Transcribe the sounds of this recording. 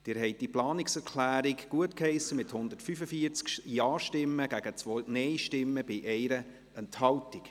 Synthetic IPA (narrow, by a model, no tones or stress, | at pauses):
d̥ɪːɾɦɛɪt̚d̥iplɑːnɪksɛɾkʰlæːɾikɡ̥uətkhɛɪsəmɪthʊnd̪əɾtfyfəfiːəɾt͡skjɑːʃtɪmːəɡ̥æɡ̥ət͡sʋonɛɪʃtɪmːəb̥ɪʔɛɪɾə | ɛnthɑltik